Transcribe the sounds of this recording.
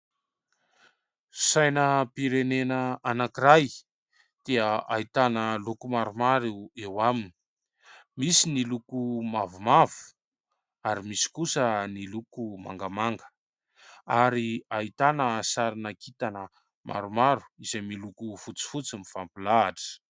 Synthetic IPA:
sajnəpiɾenenəanakiɾaj | d̪̥eəait̪anəlukumaɾumaɾuewamini̥ | misinilukumavumav̥u̥ | aɾimisi̥kusənilukuma̰ŋɡamaŋɡə̥ | aɾiait̪anəsaɾinakit̪anə | mʔa̰ɾumaɾu̥izejmilukufut͡si̥fut͡simifampilaːʈ͡ʂə̥

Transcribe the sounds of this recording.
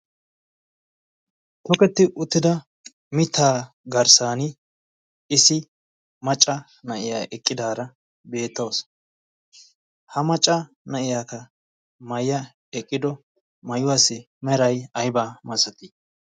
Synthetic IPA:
t̪ɔkɛt̪ːɪʔʊt̪ːɪd̪ɐ | mɪt̪ʰːaː | ɡɐɾsaːnɪ | ɪsɪ | mɐt͡ʃʼːɐ | nɐʔɪjaːʔɛkʼːɪd̪aːɾɐ | be̞ːt̪ːoːs | hɐmɐt͡ʃʼːɐ | nɐʔɪjaːkɐ | mɐjːɐ | ɛkʼːɪd̪ɔ | mɐjʊwasɪ | mɛɾɐjɐjbaːmɐsɐt̪i

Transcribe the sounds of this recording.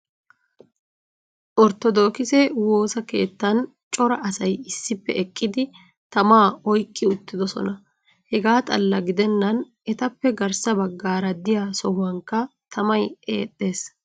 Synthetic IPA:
ʔɔɾt̪ɔd̪o̞ːkɪsɛwo̞ːsɐke̞̰ːt̪ːɐn | t͡ʃʼɔɾɐʔɐsɐjɪsːɪpːɛ̰ɛkʼːɪd̪ɪ | t̪ɐmaːɔjkʼːɪʊt̪ːɪd̪ɔsɔ̰nɐ | hɛɡaːt̪ʼɐlːɐɡɪd̪ɛnːɐn | ʔɛt̪ɐpːɛɡɐɾsɐbɐɡːaːɾɐd̪ɪjasɔhʊwɐŋkːɐt̪ɐmɐje̞̰ːt̪ʼːe̞ːs

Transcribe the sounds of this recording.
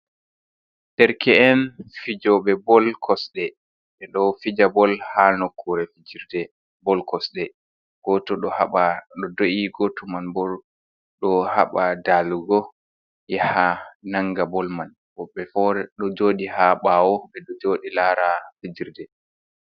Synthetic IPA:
dɛɾkʰɛɛnfid͡ʒɔɓɛbɔlkʰɔsɗɛ | ɓɛɗɔfid͡ʒabɔlhanokʰːuɾɛfid͡ʒiɾdɛ | bɔlkɔsɗɛ | ɡ̥ɔtɔɗɔhaɓaɗɔdoiɡɔtɔmanbɔɾ | ɗɔhaɓadalɡɔ | jɛhanaŋɡabɔlman | ɔɓɛfɔɾɛɗɔd͡ʒoːɗihaɓawɔɓɛɗɔd͡ʒoːɗilaɾafid͡ʒiɾdɛ

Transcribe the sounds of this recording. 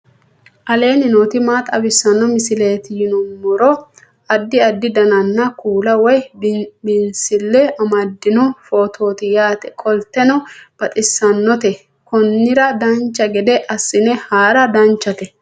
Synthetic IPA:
ʔɐle̞ːnɪnɔːt̪ɪmaːt̪ʼɐbɪsːɐnːɔmɪsɪle̞ːt̪ɪjɪnɔmːɔɾɔ | ɐd̪ːɪɐd̪ːɪd̪ɐnɐnːɐkuːlɐwɔjmɪnsɪlːɛɐmɐd̪ːɪnɔfoːt̪ʰo̞ːt̪ɪjaːt̪ɛkʼɔlt̪ːɛnɔb̥ɐt̪ʼɪsːɐnːɔt̪ɛ | kɔnːɪɾɐd̪ɐnt͡ʃːɐɡɛd̪ɛʔɐsːɪnɛhaːɾɐd̪ɐnt͡ʃːɐt̪ɛ

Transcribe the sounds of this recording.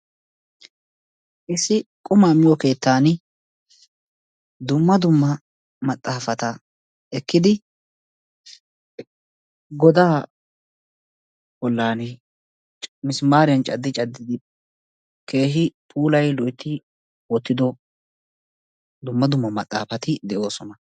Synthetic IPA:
ʔɪsɪkʼʊmaːmɪjɔke̞ːt̪ːaːn | d̪ʊmːɐd̪ʊmːɐ | mɐt̪ʼːaːfɐt̪ɐ | ɛkːɪd̪ɪ | ɡɔd̪aː | bɔlːaːnɛ | t͡ʃmɪsmaːɾɪjɐnt͡ʃʼɐd̪ːɪt͡ʃʼɐd̪ːɪd̪ɪ | ke̞ːʃɪpʰuːlɐjlɔjt̪ːɪ | wɔt̪ːɪd̪ɔ | d̪ʊmːɐd̪ʊmːɐmɐt̪ʼːa̰ːfɐt̪ɪd̪ɛʔo̞ːsɔnɐ

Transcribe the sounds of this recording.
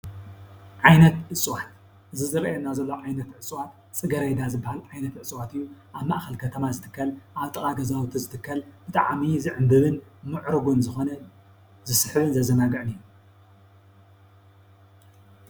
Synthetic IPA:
ʕajnɐt̪ʕɨt͡sʼɨwat̪̚ | ʔɨzizɨɾɐʔjɛnːazɐlːoʕajnɐt̪ʕɨt͡sʼwat̪ | t͡sʼɨɡɐɾɐjd̪azɨbːahalʕajnɐt̪ʕɨt͡sʼwat̪ɨjːuʔaβmaʔxɐlkʰɐt̪ʰɐmazɨt̪ʰɨ̥kʰːɐlʔaβt̪ʼɐkʼaɡɐzawt̪ʰizɨt̪ʰɨkʰːɐlbɨt̪ʼa̰ʕmizɨʕɨmbɨβɨnmɨʕɾɨɡunzɨxonɐ | zɨsħɨβɨnzɐzɐnaɡɐʔɨniju

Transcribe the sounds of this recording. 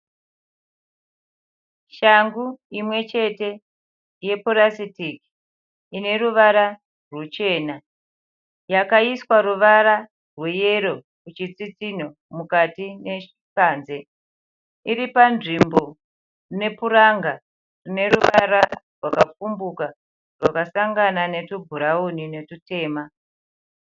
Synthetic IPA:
ʃaŋɡuimwe̞t͡ʃe̞te̞ | je̞polasitiki | ine̞ɾuʋaɾa | rwut͡ʃe̞ːna | jakaiswaruʋaɾa | rweje̞ɾo̞ | kut͡ʃit͡sit͡sino̞ | mukatine̞ikaːnze̞ | iɾipanʐimbo̞ | rine̞puɾaŋɡa | rine̞ɾuʋaɾarwakafumbuka | rwakasaŋɡanane̞tubʱuɾaunine̞tute̞ːma

